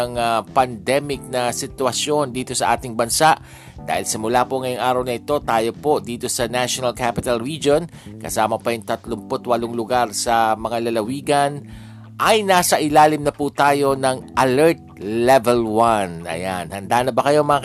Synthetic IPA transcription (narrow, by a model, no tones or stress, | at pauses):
ŋapɐnd̪ɛmɪk̚nɐsɪt̪wɐsjo̞nd̪iːt̪o̞sɐʔaːt̪ɪŋbɐnsaʔ | d̪̥a̰ːhɪlsɪmʊlapoŋɐjoŋʔaːɾɐwnɐʔɪt̪o̞t̪aːjo̞po̞d̪iːt̪o̞sɐnaʃjonɐlkapɪt̪ɐlɹid͡ʒo̞nkɐsaːmɐpɐjʊŋt̪ɐt̪lʊmpot̪wɐloŋlʊɡaɾsɐmɐŋalɐlɐwiːɡɐn | ʔɐjnaːsɐʔɪlaːlɪmnɐpuːt̪aːjo̞nɐŋʔɐlɛɹt̪̚lɛvɛlwanʔɐ̰ja̰nhɐnd̪aːnɐbɐkɐjomɐŋa